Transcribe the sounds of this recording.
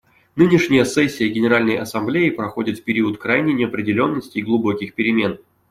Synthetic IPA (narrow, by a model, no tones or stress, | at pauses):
nɨnʲɪʂnʲɪjəsɛsʲːɪjəɡʲɪnʲɪɾalʲnəjɐsɐmblʲeɪpɾɐxo̞dʲɪt̪fpʲɪɾʲiət̪kɾajnʲɪnʲɪɐpɾʲɪdʲɪlʲo̞nːəsʲtʲɪɡlˠʊbo̞kʲɪxpʲɪɾʲɪmʲe̞n